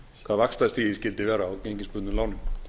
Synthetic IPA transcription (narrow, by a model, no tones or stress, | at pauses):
kʰvaðvakst̪ast̪iːðɪscɪlt̪ɪvɛːɾaːwceɲcɪnspʏt̪nlaːwnɪn